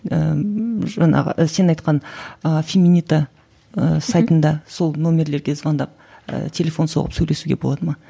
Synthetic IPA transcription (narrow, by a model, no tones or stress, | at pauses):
əʒɑɴɑ̰ʁə̰se̞nɑjt̪qɑnəfʲemʲinit̪a | əsɑjt̪ənd̪ɑso̞lˠnomʲe̞ɾle̞ɾɡʲe̞zʁɑnd̪ɑ̰p̚ | ə̰t̪ʲʰe̞lʲe̞fo̞nso̰ʁə̰psɵjle̞suɡʲḛbolˠɑd̪əmɑ